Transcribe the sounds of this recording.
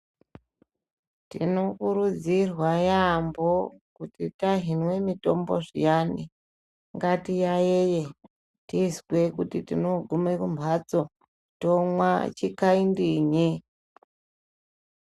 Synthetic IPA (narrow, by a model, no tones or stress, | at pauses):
tḭno̞kuɾud͡zirwajambokutitaɦinwe̞mito̞mboʐḭjani | ŋɡatijajeje | tiskwe̞kutitino̞ɡʱumekumbʱat͡so | tomwa̰t͡ʃikaindiɲi